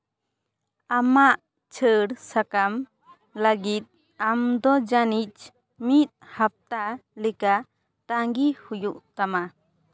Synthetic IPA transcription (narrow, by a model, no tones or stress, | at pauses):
amaʔ | t͡ʃʰəɽsakam | ləɡit̪̚ | amd̪ɔd͡ʒanit͡ʃ | mit̪̚hap̚t̪alɛka | t̪aŋɡihujuʔt̪ama